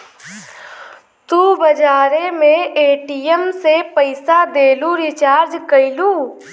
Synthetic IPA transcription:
t̪uːbɐd͡ʒaːɾemẽeːʈijəmsepəɪsad̪eːluɾɪt͡ʃaːɾd͡ʒkɐɪluː

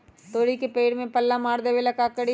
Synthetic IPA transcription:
t̪oːɽikepeːɽmẽpɐlːamaːɾd̪eʋelɐkakəɽi

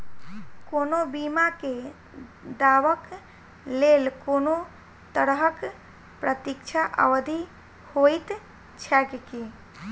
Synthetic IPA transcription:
konobimake | d̪aʋək | lelkono | t̪əɽɦək | pɾət̪ikt͡ʃʰaʔə̰ʋd̪ʱi | hojt̪ | t͡ʃʰɛkki

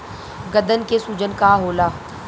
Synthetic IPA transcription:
ɡɐd̪ənkesuːd͡ʒənkaɦoːlaː

